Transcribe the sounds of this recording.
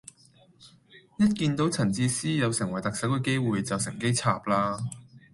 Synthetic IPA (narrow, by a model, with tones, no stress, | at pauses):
jɐ˥t̚kiː˧nt̪o˨˥wt͡sʰɐ˨˩nt͡siː˧siː˥jɐ˨˧wsɪ˨˩ŋwɐ˨˩jt̪ɐ˨k̚sɐ˨˥wkɵ˧˥jke˥jwuː˨jt͡sɐ˨wsɪ˨˩ŋke˥jt͡sʰa̰ː˨p̚laː˧